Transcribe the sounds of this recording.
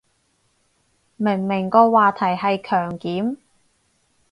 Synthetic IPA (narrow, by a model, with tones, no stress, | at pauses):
mɪ˨˩ŋmɪ˨˩ŋkɔː˧waː˨t̪ʰɐ˨˩jɦɐ˨jkʰœː˨˩ŋkiː˨˥m